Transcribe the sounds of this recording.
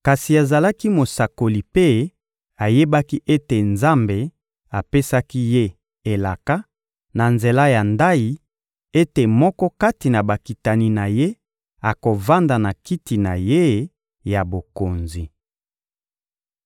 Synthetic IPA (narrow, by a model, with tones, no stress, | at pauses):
ka˨si˨a˨za˨la˦ki˦mo˨sa˨ko˨li˨pe˦ | a˨je˦ba˦ki˦ʔe˦te˨nza˦mbe˨ | a˨pe˦sa˦ki˦je˦ | e˨la˨ka˦ | na˨nze˨la˦ja˨nda˦ji˨ | e˦te˨mɔ˦kɔ˦ka˦ti˨na˨ba˨ki˨ta˨ni˨na˨je˦ | a˨ko˨va˦nda˨na˨ki˦ti˨na̰˨je˦ | ja˨bo˨ko˨nzi˨